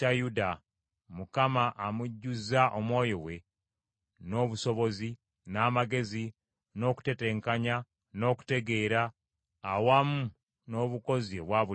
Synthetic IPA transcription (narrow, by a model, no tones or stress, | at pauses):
tajuda | mukamaʔamuɟːuzaʔomwo̞ːjo̞we̞ | no̞ːβuso̞βo̞zi | naːmaɡe̞zi | no̞ku̥te̞te̞ːŋkaɲa | no̞ːku̥te̞ɡe̞ːɾaː | wamu | no̞ːβuko̞zioβwaβu